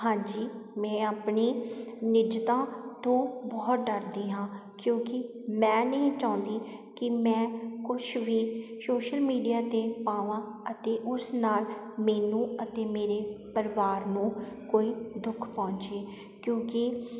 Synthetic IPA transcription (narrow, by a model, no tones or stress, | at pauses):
ɦãːd͡ʒiːmɛ̃ːaːpɳiːnɪd͡ʒt̪ãːt̪õːbɔːt̪̚ɖəɾd̪iːɦãːkjõːkɪ | mɛ̃ːnəĩːt͡ʃãːnd̪iː | kɪmɛ̃ːkʊt͡ʃʰʋiːsoːʃəlmiːɖijaːt̪eːpaːʋãː | ət̪eːʔʊsnaːl | meːnũːət̪eːmeːɾeːpəɾɪʋaːɾnũːkoːiːd̪ʊkʰpɔ̃ːnt͡ʃeː | kjõːki